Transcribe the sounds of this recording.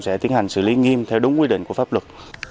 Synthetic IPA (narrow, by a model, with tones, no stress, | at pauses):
sɛ̰˧˥t̪i˨˦ənha˨˩jŋ̟sɨ̰˧˨li˨˦ŋi˧mt̪ʰɛ˧wɗʊ˨˦ŋ͡mkwi˧ɗḭ˧˨ŋ̟ku˧˩əfaː˦˥p̚lwə˨˩t̚